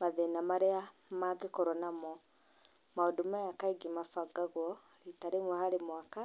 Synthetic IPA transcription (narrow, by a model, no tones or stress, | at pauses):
maðenamaɾɛa | maɡekɔɾɔnamɔ | maodomajakaiɡemafaɡaɣwɔ | ɾitaɾemwɔhaɾemwaka